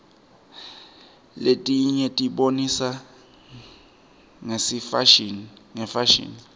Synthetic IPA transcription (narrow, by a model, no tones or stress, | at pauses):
letʼiɲɛtʼiɓonisa | ŋesi | ŋɛfaʃḭːni